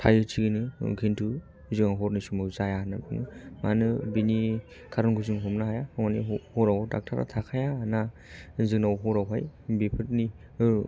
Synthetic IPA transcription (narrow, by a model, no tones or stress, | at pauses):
tʰajɯtʰiɡinɯɡʰintʰu | zɯnaɦɔɾnisumawzajanabʰɯnɯmanɯbini | kʰaɾɔnɡuzɯŋɦɔmnaɦajamanihɔɾawdak̚tʰaɾa̰tʰakʰajana | zɯnawɦɔɾawɦajbipʰɯt̚ni